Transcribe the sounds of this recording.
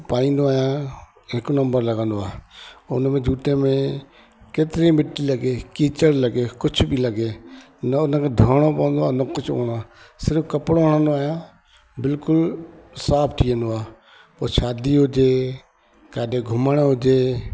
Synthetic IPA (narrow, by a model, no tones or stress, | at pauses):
paːĩːnd̪oaːɦijã | ɦɪknɐ̃mbəɾlɐɡə̃nd̪oaːʊnmẽd͡ʒʱuːʈ̪emẽ | keːt̪ɪɾĩmɪʈːilɐɡeːkĩːt͡ʃəɽlɐɡekʊt͡ʃʰbʱilɐɡeː | nɐʊnəkʰeːd̪ʱəːɽ̃opɐʋə̃n̆d̪oaːnɐkʊt͡ʃʰo̰ːɽ̃aː | sɪɾfkɐpɽoɦəɽ̃ə̃nd̪oaːɦijãː | bɪlkʊlsaːpʰʈ̪ʰijə̃nd̪oaː | poːʃaːd̪iɦʊd͡ʒe | kaːɗʱeɡʱʊməɽ̃ɦʊd͡ʒeː